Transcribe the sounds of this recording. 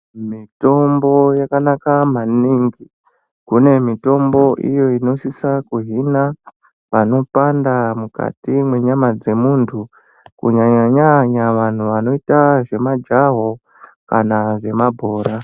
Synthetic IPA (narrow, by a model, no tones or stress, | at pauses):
mito̞mbo̞jakanakamaniŋɡi | kune̞mito̞mbo̞ʔḭjo̞ino̞ʃisakuɦina | pano̞pandamuka̰timwe̞ɲamad͡ze̞muntʰu | kṵɲaɲaɲaɲaʋan̤uʋano̞itaʐe̞mad͡ʒaɦo̞ | kanaʐe̞mabʱoːɾa